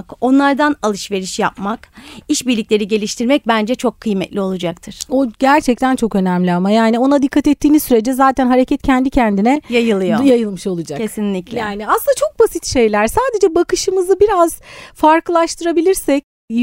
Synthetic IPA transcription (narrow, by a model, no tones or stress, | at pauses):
ko̞nlˠaɾd̪analˠɯʃve̞ɾiʃja̰p̚makiʃbiɾlʲicʲlʲe̞ɾiɟe̞lʲiʃt̪ʰiɾmɛc̚bænd͡ʒɛt͡ʃʰo̞kʰːɯjmɛt̪lʲio̞lˠud͡ʒak̚t̪ʰɯɾ̥oɟæɾt͡ʃʰɛc̚t̪ʰænt͡ʃʰo̞kø̞næmlʲiamajaːnio̞nad̪ikʰːat̪ɛt̪ʰːiːnizsyɾe̞d͡ʒɛzaːt̪ʰænɦaɾecʰɛt̪̚cʰɛnd̪icʰɛnd̪inɛjajɯlˠɯjo̞jajɯlˠmɯʃo̞lˠud͡ʒakcʰe̞sinlʲiclʲɛjaːniasɯnd̪at͡ʃʰo̞k̚basit̪ʃe̞jlʲæɾsaːd̪e̞d͡ʒɛbakɯʃɯmɯzɯbiɾaz̥faɾklˠaʃt̪ʰɯɾabilʲiɾsɛc̚